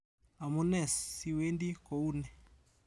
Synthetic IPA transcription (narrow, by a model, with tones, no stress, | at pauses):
a˨mɔnɛsːiwe˦ndi˦kɔu˦nɛ˨